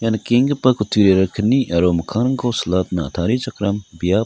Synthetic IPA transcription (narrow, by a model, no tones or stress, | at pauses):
janɐkeŋɡɐpɐkut̪ʰiɾeɾɐkʰəniʔɐɾomɐkʰaɾɐŋkʰowsɐlat̪̚nɐɐ̰t̪ʰaɾit͡ʃɐkɾɐmbija